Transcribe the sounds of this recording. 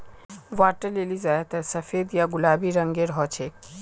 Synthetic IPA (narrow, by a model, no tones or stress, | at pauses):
waɾʈəlelizajet̪aɾsəfed̪jaɡulabiɾəŋɡeɾɦɔt͡ɕʰe